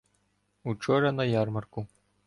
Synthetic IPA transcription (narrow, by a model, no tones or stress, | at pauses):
ut͡ʂɔɾɐnɐjarmɐrku